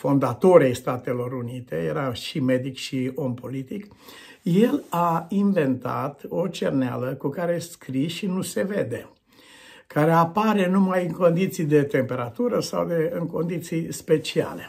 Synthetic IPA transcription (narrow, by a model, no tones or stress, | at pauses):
fo̞nd̪at̪o̞ɾejst̪at̪e̞lo̞ɾunit̪e̞jḛɾaʃime̞d̪ikʃio̞mpo̞lit̪ik | je̞lainve̞nt̪a̰t̪o̞t͡ʃḛrnea̰ləkukaɾeskɾiʃinuse̞ved̪e̞ | kaɾe̞apaɾe̞numajɨŋko̞nd̪it̪sijd̪e̞t̪e̞mpe̞ɾat̪uɾəsa̰wd̪e̞ɨŋko̞nd̪it̪sijspe̞t͡ʃia̰le̞